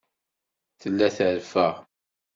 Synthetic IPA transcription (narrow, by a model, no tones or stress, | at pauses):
θəlːæθəɾfəʁ